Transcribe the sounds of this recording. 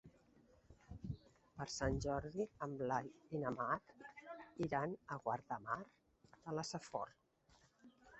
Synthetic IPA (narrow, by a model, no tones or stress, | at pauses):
pəɾsanʲʒɔɾðiəmlaðinəmat̪iɾanəɣwaɾt̪əmaɾ | ələsəfɔ̰ɾ